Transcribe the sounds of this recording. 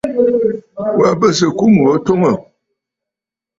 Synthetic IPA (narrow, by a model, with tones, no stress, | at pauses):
wa˨bə˦˨s̬ə˨ku˦mu˨ə˦to˦ŋə˨